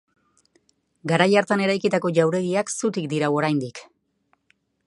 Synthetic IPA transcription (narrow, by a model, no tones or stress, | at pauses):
ɡaɾajaɾt̪ane̞ɾajkit̪ako̞ʝawɾe̞ɣiaksut̪ikd̪iɾawo̞ɾajnd̪ik